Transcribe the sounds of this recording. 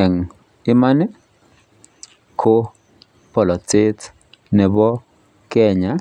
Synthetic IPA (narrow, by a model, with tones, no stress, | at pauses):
ɛ˨ŋ | ɪ˦ma˦nɪ˦ | kʰo˦ | pɔ˨lɔ˨t͡sɪ˦t | nɛ˨bɔ˦ | kɛ˦ɲa˨